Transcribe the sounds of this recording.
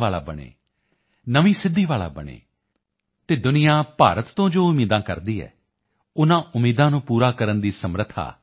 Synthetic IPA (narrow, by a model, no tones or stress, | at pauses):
aːla̰ːbəɳ̃ḛː | nəʋiːsɪd̪ːiːʋaːla̰ːbəɳ̃ḛː | t̪eːd̪ʊnɪjãːpa̰ːɾət̪ːõːd͡ʒoːʊmiːd̪ãːkəɾd̪iːɛ̰ː | ʊnãːʔʊmiːd̪ãːnũːpuːɾaːkəɾənd̪iːsəmɾət̪ʰːa̰ː